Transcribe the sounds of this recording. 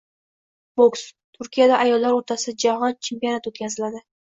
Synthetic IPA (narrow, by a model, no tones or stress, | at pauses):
bokst̪ʰʊɾkʲijad̪aʔajɒlːaɾoɾt̪ʰasɪd͡ʒahɒnt͡ʃʰe̞mpijonat̪wot̪kʲazɪlad̪ɪ